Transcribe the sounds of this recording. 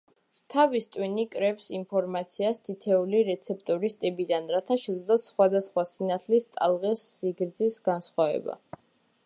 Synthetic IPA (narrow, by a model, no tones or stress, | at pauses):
t̪ʰavist̪ʼwinikʼɾɛpsimpʰɔɾmat̪sʰiast̪ʰit̪ʰɛuliɾɛt̪sʰɛp̚ʰt̪ʼɔɾist̪ʼibid̪anɾat̪ʰaʃɛd̪zlˠɔsχwad̪asχwasinat̪ʰlist̪ʼa̰lˠʁɛsːiɡɾd̪zisɡansχwavɛ̰ba̰